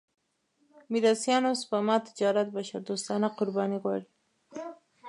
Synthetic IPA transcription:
mid̪asjɑnosbamat̪i̥d͡ʒɑːɾat̪̚baʃad̪ost̪anaqʊɾbɑniɡa̰ɾi

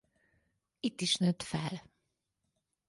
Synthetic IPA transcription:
it̪ːiʃnøt̪fɛl

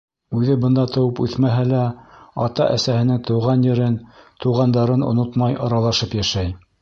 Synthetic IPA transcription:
ʉðɘbɤ̆nd̪ɑt̪ɤ̆wɤpʉ̰θmæɦælæɑt̪ɑ̰ʔæsæhɘ̆nɘŋt̪ŏwʁɑnjɘ̆ɾɘnt̪uwʁɑnd̪ɑɾɤno̰not̪mɑjʔɑɾɑlˠɑʃɤpjæʃæj

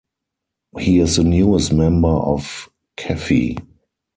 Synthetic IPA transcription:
hiːɪsðənjuəstmɛ̃mbə˞ʔɔf | kʰɛfḭ

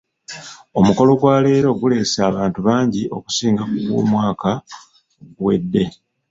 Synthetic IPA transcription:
o̞muko̞lo̞ɡwaːle̞ːɾoːɡule̞ːsaːβaːntuβaːɲɟiʔo̞̰ku̥siːŋɡakuβwo̰ːmwaːka | oɡuwe̞̰dːe̞

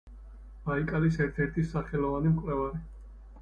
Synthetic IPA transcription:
b̥aikʼalis̬ɛɾt̪ʰɛɾt̪ʰisaχɛlɔvanimqʼɾɛvaɾi

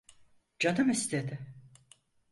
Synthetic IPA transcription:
d͡ʒad̪ɯmist̪ed̪ɪ

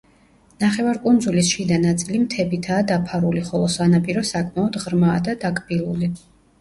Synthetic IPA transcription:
naχɛvaɾkʼund̪zulisʃid̪anat̪sʼilimt̪ʰɛbit̪ʰaːd̪apʰaɾuliχɔlˠɔsanapʼiɾɔsakʼmaɔd̪ʁɾmaːd̪ad̪akʼbilˠuli

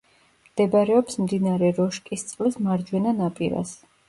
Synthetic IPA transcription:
md̪̥ɛbaɾɛɔpsmd̪inaɾɛɾɔʃkʼist̪sʼlismaɾd͡ʒwɛnanapʼiɾa̰s

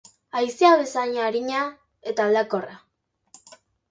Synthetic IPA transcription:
ajsiaβesaɲaɾiɲa | et̪aβlakora

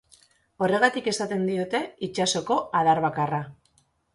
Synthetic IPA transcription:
o̞re̞ɣat̪ike̞sat̪e̞nd̪io̞t̪e̞it͡ʃaso̞ko̞aðaɾβakara

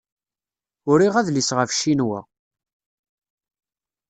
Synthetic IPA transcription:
ʊɾiʁæðlisʁəfʃinwæ̰

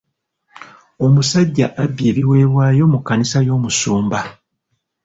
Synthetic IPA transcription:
o̞musaɟːaʔabːje̞ːβiwe̞ːβwaːjo̞mukːanisajo̞ːmusuːmba

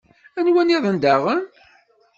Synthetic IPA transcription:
ænwæniðˤənd̪æʁən

